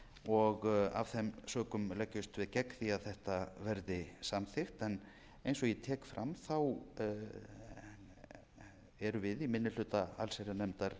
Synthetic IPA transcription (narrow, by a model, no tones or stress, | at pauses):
ɔɣa̰v̥θɛmsœːkʏmlɛcːʏst̪vɪðcɛkθiaðθɛht̪avɛɾðɪsamθɪxt̪ɛn | ejnsɔɣjɛt̪ʰɛːkfɾa̰mθaw | ɛɾʏvɪðimɪnːɪlʏːt̪aa̰lseɾanɛmt̪aɾ̥